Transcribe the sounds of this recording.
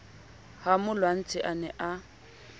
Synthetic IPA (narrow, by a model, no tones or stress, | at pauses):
hamʊlwan̩t͡sʼɪʔanɛʔa